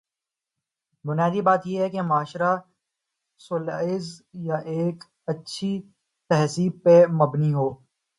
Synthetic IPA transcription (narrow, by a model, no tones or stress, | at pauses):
bʊnjaːd̪ibaːt̪jeɦɛkemaːʃɾa | sʊlaːɪzjaʔeːk | ɐtːʃʰi | t̪ɛɦsiːpemɐbniɦoː